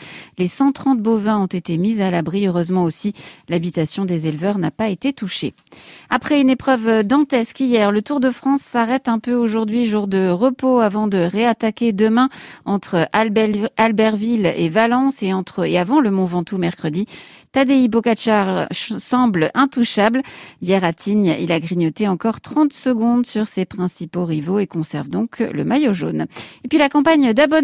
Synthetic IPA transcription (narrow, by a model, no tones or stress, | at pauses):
lesɑ̃t̪χɑ̃t̪̚bovɛ̃ɔ̃t̪et̪emizalabʁiøʁøzmɑ̃osilabit̪asjɔ̃d̪ezelvœʁnapaet̪et̪uʃḛ | apχɛynepχœvd̪ɑ̃t̪ɛskijɛʁlət̪uʁd̪əfχɑ̃sːaʁɛt̪ɛ̃pøoʒuʁd̪ɥiʒuʁd̪əʁəpoavɑ̃d̪əʁeat̪akʲed̪əmɛ̃ɑ̃t̪χəʔalbɛʁvilḛvalɑ̃seɑ̃t̪χəeavɑ̃ləmɔ̃vɑ̃t̪umɛʁkχəd̪i | t̪ad̪eibɔkaʃaʁsɑ̃blɛ̃t̪uʃabljɛʁat̪ʰiɲḭlaɡʁiɲɔt̪eɑ̃kɔʁt̪χɑ̃t̪səɡɔ̃d̪syʁsepχɛ̃sipoʁivoekɔ̃sɛ̰ʁvd̪ɔ̃kʰlə̰majoʒo̰nepɥilakɑ̃paɲd̪abɔ